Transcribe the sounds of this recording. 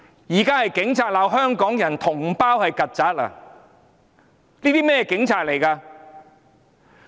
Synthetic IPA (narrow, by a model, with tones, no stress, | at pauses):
jiː˨˩kaː˥hɐ˨jkɪ˨˥ŋt͡sʰaː˧t̚laː˨˧wɦœː˥ŋkɔː˨˥ŋjɐ˨˩nt̪ʰʊ˨˩ŋpaː˥whɐ˨jkɐ˨t̚t͡sɐː˨˥t̚a̰˧ | niː˥t̪iː˥mɛː˥jɛː˧kɪ˨˥ŋt͡sʰaː˨˧t̚le˨˩jkaː˧